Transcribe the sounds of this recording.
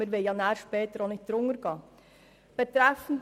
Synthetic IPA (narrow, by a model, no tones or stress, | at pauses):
ɪɾʋɪljɑnæːɾʃpɛːt̪əɾonɪd̪ɾʊŋəɾɡ̥ɑː | b̥ɛt̪ɾɛfn̩